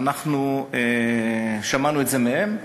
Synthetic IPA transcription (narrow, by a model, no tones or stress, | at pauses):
naχnue | ʃamanue̞tzemehe̞m